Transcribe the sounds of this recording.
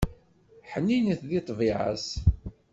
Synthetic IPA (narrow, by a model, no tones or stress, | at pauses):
ħənːinəθðit̪ˤviʕə̰s